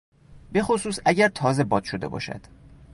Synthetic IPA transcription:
be̞xosuːsæɟæɾt̪ʰɒːze̞bɒːd̪̥ʃod̪e̞̰bɒ̰ːʃæ̰d̪̥

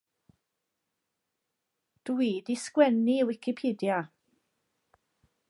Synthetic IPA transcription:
d̥wiːdiskwɛniwɪkʰɪpʰiːdja

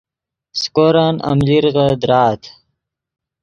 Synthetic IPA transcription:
skoɾana̰mliɾɣəd̪ɾaːt̪ʰ

